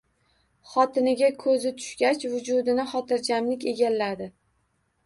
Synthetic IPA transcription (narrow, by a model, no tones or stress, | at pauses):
χɒt̪ʰɪnɪɡʲakʰɵzɪt̪ʰʊ̥ʃɡʲat͡ʃvʊd͡ʒʊd̪ɪnɪχɒt̪ʰɪɾd͡ʒamlɪkʲe̞ɡʲalːad̪ɪ